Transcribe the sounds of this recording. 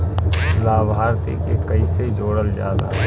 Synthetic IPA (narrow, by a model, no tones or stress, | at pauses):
laːbʱaːɾt̪ḭkekəiseid͡ʒoːɽəld͡ʒja̰ːd̪a̰